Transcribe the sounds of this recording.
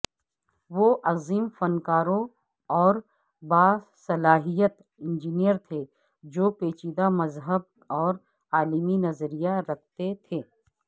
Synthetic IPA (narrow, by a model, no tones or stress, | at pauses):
ʋoːʔɐziːmfɐnkaːɾõ | ɔːɾ | baːsɐlaːɦijət̪ | ɪ̃nd͡ʒiːnijəɾt̪ʰe | d͡ʒoːpeːt͡ʃiːd̪amɐzɦəb̚ | ɔːɾ | aːliminɐzɾijaɾɐk̚ʰt̪et̪ʰeː